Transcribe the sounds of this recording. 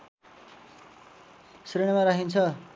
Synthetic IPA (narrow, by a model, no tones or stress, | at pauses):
sriɽ̃ʌmaɾaɦint͡sʰʌ